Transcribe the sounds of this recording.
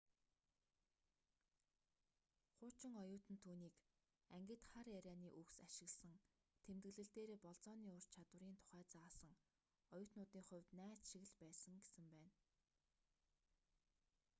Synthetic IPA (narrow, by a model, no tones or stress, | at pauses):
χʊːt͡ɕɪ̆ŋɔjʊːt̪ɘ̆nt̪ʰuːniːk | æŋɡʲɪ̆t̪χaɾjæɾʲæːniːʔɵksaʃɪ̆ɣɮsə̆ŋ | t̪ʰemt̪ɡɘ̆ɮɘ̆ɬt̪eːɾeːpɔɮt͡sɔːniːʊr̥t͡ɕt͡ɕʰat̪wə̆ɾiːnt̪ʰʊ̥χæːt͡saːsə̆ŋ | ɔjʊːt̪nʊːt̪iːŋχʊ̟wʲt̪næːt͡sʃiɣɘ̆ɮpæːsə̆ŋɡesɘ̆mpæːn